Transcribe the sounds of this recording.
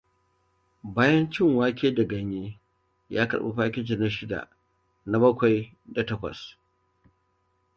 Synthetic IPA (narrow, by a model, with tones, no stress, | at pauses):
baː˦jɐ˦nt͡ʃɪ˦˨ŋwaː˦kʲeː˦da˨ɡɐ˨ɲjeː˦ | ja̰ː˦kɐ̰˨ɽɓa̰˦ɸaː˦kʲɪ˦t͡ʃe˨na˦ʃɪ˦da̰˨ʔ | na˦bɐ˦kʷa˨j | da˨tɐ˦kʷɐ̰˨s